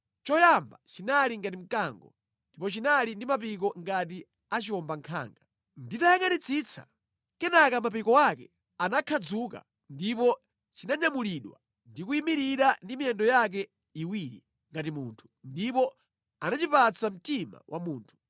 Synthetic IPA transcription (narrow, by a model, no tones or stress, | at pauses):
t͡ʃɔjambat͡ʃinaliŋɡat̬im̩kaŋɡɔ̰ | ndipɔt͡ʃinalindimapik̬ɔŋɡat̬i | at͡ʃiɔmbaŋkʰa̰ːŋɡa | nditajaŋanit͡sʰit͡sʰa̰ | kɛnakamapikɔwakɛ | anakʰad͡zuka̰ | ndipɔ | t͡ʃinaɲamuliɗwa̰ | ndikuimiɾiɾandimijɛndɔjak̬ɛ | iwiɾḭ | ŋɡat̬imuːntʰu̥ndipɔ | anat͡ʃipat͡sam̩tima̰wʔa̰muːntʰu̥